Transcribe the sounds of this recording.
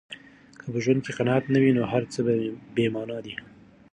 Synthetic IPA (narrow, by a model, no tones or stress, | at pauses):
kʰəpəʒwand̪̚keqanɑat̪nawinoɦaɾt͡səbbemɑnɑd̪i